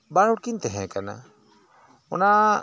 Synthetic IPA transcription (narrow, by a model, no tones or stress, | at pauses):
baɾuɽkint̪ɛɦɛ̃kana̰ | ɔna